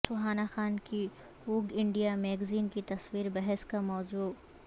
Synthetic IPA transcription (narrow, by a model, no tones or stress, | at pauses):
sʊɦaːnaxaːnki | uːɡɪ̃ɳɖijamɛːɡziːnkit̪ɐswiːɾbɐɦɛskamɔːzuː